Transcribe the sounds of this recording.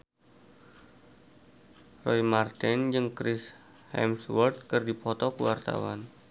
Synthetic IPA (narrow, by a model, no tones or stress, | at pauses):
rɔimart̪ɛnd͡ʒɨŋkɾɪs | hɛ̰mswərt̪̚kɨrdipʰɔt̪ɔkuwart̪a̰wan